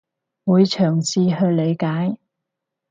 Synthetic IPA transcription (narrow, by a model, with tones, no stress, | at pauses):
wuː˨˧jt͡ʃʰœː˨˩ŋt͡sʰiː˧hɵ˧ɥle˨˧jkaː˨˥j